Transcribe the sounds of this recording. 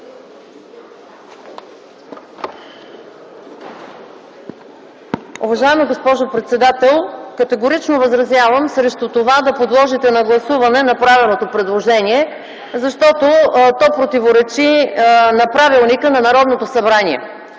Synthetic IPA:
uvɐʒaɛmiɡospɔʒopɾɛt̪sɛd̪at̪ɛlˠkət̪ɛɡoɾit͡ʃnovɐzɾɐzjavəmsɾɛʃt̪ut̪ovad̪ɐpod̪lˠɔʒit̪ɛnɐɡlˠɐsuvɐnɛnɐpɾavilˠnot̪opɾɛd̪lˠoʒɛniɛ | zɐʃt̪ɔt̪ot̪ɔpɾot̪ivoɾɛt͡ʃinɐpɾavilˠnikənɐnɐɾɔd̪not̪osɐbɾaniɛ̰

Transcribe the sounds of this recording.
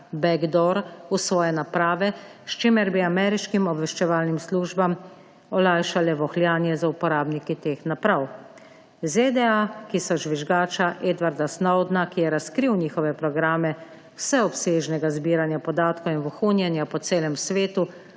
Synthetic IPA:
bɛɡd̪ɔɾusʋɔːjɛnapɾaːʋɛʃt͡ʃemɛɾbiamɛːɾiʃkimɔbʋɛʃt͡ʃɛʋaːlnimsluːʒbam | ɔlajʃalɛʋɔxlʲjaːnjɛzaupɔɾaːbnikit̪eːxnapɾaw | zed̪ɛakisɔʒʋiʒɡaːt͡ʃaʔeːd̪ʋaɾd̪asnɔwd̪nakijɛɾaskɾiwniːxɔʋɛpɾɔɡɾaːmɛ | wsɛɔpseʒnɛɡazbiːɾanjapɔd̪aːt̪kowinʋɔxunjɛnjapɔt̪seːlɛmsʋeːt̪u

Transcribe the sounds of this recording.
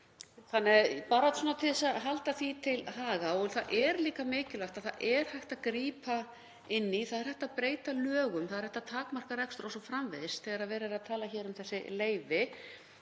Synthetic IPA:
θanːɛɣpaːɾat̪sɔːnat̪ʰɪlɛsaðɦalt̪aθvit̪ʰɪlɦaːɣaɔɣʏθaðʔɛɾliːkamɪːcɪlaht̪aðθa̰ðʔɛɾ̥hajxt̪aðkɾiːpa | ɪnːiθaðɛɾ̥hɛht̪aðpɾeːjt̪alœːɣʏmθaðɛɾhɛht̪at̪ʰaːkmar̥kaɾɛkst̪ɾɔsɔfɾamveðsθɛːɣaɾaðvɛːɾɪɾaðt̪ʰaːlaçɛːɾʏmθɛsːɪleːjvɪ

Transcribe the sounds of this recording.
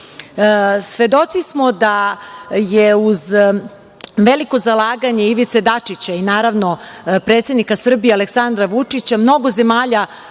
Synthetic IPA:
sʋe̞d̪o̞t̪sismo̞d̪a | jeuz | ʋeliko̞zalˠaːɡaɲeiʋit̪se̞d̪at͡ʂit͡ɕainaːɾaʋno̞pɾet̪sʲe̞d̪nikasr̩bijealeksand̪ɾaʋut͡ʂit͡ɕamno̞ɡo̞ze̞maːʎa

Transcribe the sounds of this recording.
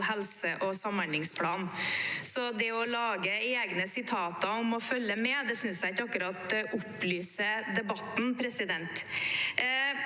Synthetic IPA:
hɛlsəʔɔsɑmːəɳɪŋspʰlɑːnsɔd̪ɛɔlɑːɡəeːɡnəsɪt̪ʰɑːt̪ɑʊmɔfœlːəmɛd̪ɛsʏnsjækɑkʉɾɑt̪ʔʊpːlyːsəd̪ɛbɑt̪n̩pʰɾɛsɪd̪ɛnt̪

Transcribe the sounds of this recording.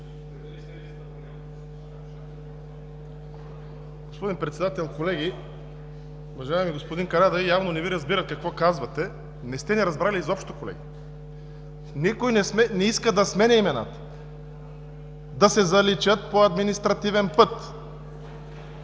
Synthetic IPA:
ɡ̥ospod̪inpɾɛt̪sɛd̪at̪ɛlˠkolɛɡʲi | uvɐʒaɛmiɡospod̪inkɐnad̪ɐvijavnonɛviɾɐzbiɾɐt̪̚kɐkvɔkazvɐt̪ɛ | nɛst̪ɛniɾɐzbɾaliːzɔpʃt̪o̥kolɛ̰ɡi | nikojnɛsmɛnɛiskəd̪ɐsmɛnɛimɛna̰t̪ə̥ | d̪ɐsɛzɐlit͡ʃət̪̚poɐd̪minist̪ɾɐt̪ivɛnpɤt̪

